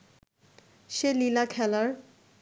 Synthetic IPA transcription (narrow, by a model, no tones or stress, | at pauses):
ʃelilakʰɛlaɾ